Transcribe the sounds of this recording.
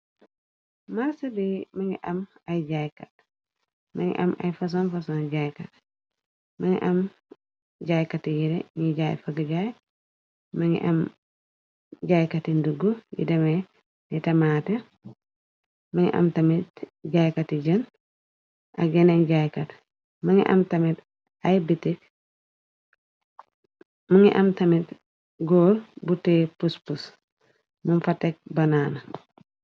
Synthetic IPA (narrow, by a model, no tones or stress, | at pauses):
maɾsɐbimaŋiʔamajd͡ʒajkat̚ | maŋɡḭʔa̰ma̰jfɐs̬ɔnfasɔnd͡ʒajkat | maŋḭʔam | d͡ʒajkatːijiɾɛ̰ɲiɟajfaɡad͡ʒaj | maŋḭʔam | ɟajkatinduɡujḭdɛmɛ | nɛtɐmaːtɛ | mɐŋḭʔɐ̰mtɐmitɟajkɐtiɟɐn | ʔɐɡɛnɛŋɟajkɐt | mɐŋḭʔɐ̰mtɐmit | ajbitik̚ | mɐŋḭʔɐmtɐmit | ɡɔːlbutepuspus | munfɐtːɛk̚bɐnanɐ